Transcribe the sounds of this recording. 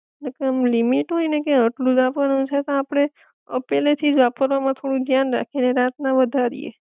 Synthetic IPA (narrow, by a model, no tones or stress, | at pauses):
lekemlimiʈɦoinekeəʈlũd͡ʒapəɾũt͡ʃʰet̪õapɽ̃e | ə̰pelet̪ʰid͡ʒʋapəɾʋamãt̪ʰoɽũd͡ʒʱjanɾa̰kʰineɾat̪nãʋəd̪ʱaɾḭḛ